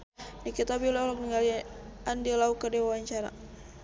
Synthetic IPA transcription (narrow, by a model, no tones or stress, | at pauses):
nikit̪abilɔlɔk̚niŋaliandilaukədɛwawaɲt͡ʃaɾa̰